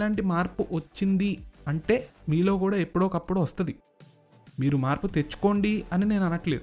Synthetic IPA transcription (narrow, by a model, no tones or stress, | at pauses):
laːɳʈimaːɾpuʔʋɐt͡ʃːind̪iɐɳʈe̞ːmiːlo̞ːkuːɽaːepːuɽo̞ːkɐpːuɽuʋɐst̪ɐd̪i | miːɾumaːɾput̪e̞t͡ʃːu̥ko̞ːɳɖiɐnine̞ːnɐnɐʈleːd̪u